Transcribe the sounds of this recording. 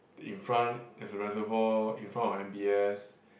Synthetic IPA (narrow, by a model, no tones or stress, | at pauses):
ḭ̃nfɹãntɛsəɹɛzəvɔĩnfɹãntɔfɛ̃mbiɛs